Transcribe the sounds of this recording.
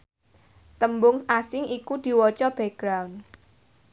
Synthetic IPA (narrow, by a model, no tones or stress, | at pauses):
t̪əmbʊŋasɪŋikud̪̥i̤wɔt͡ʃɔb̥ɛ̤ɡ̥ɾawn